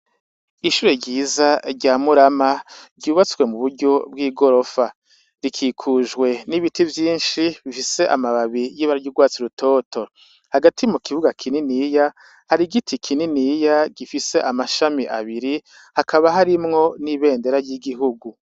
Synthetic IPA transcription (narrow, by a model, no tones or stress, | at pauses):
iʃuːɾeɟiːzaɾɟaːmuɾamaɾɟuːβat͡swe̞muβuɾɟo̞bwiːɡo̞ɾo̞fa | ɾikʰiːkʰuʒɡwe̞niβitivjiːnʃiβifise̞ʔa̰maβaβijiːβaɾaɟuɡwaːt͡siɾutʰo̞ːtʰo̞ | haɡatʰimukiβuɡakʰininija | haɾiɡitʰikʰininijaɡifise̞ʔamaʃamiʔa̰βiɾi | hakʰaβaɦaɾimŋo̞niβe̞ːnde̞ɾaɾɟiɡiɦuɡu